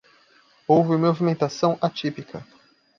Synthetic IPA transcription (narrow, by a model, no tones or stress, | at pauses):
owvɪmovimẽnt̪asɐ̃w̃ʔat͡ʃipikʰɐ